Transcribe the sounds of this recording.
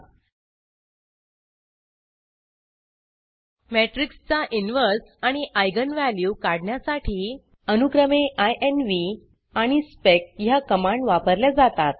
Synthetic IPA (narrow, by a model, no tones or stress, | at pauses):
meʈɾikst͡saʔinʋəɾsaɽ̃iʔajɡənʋæljukaɽɳjasaʈʰiː | ənukɾəmeʔajʔenʋi | aɽ̃ispekjakəmaɳɖʋapəɾljad͡zat̪at̪̚